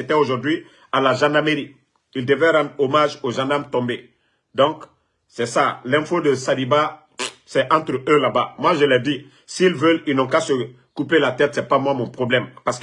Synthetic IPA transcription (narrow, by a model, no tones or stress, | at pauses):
et̪ɛoʒuʁd̪ɥi | alaʒãnameɾi | ild̪əvɛɾɑ̃d̪ʁomaʒoʒãnd̪aʁmt̪ɔ̃mbe | d̪ɔ̃ŋk | sɛsalɛ̃fod̪əsadiba | sɛʔãt̪ɾølabamwaʒəlɛd̪i | silvəlilnɔ̃kasə | kupelat̪ɛt̪sɛpamwãmɔ̃pʁɔblɛmpask